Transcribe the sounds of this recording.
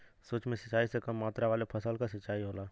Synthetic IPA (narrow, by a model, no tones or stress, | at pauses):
soːt͡ʃmẽsət͡ʃaːisekɐmːaːt̪ɾaʋaːlepʰəsəlkasɐt͡ʃːaːiɦoːlaː